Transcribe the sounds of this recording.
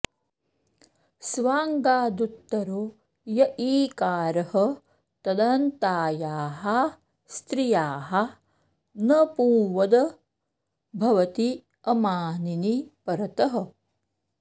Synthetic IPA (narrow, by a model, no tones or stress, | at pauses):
sʋaːŋɡaːd̪ut̪ːɐɾoː | jɐʔiːkaːɾɐhɐ | t̪ɐd̪ɐnt̪aːjaːɦɐ | st̪ɾijaːɦɐ | nɐpũːʋɐd̪ɐ | bʱɐʋɐt̪i | ɐmaːninipɐɾɐt̪ɐɦɐ̆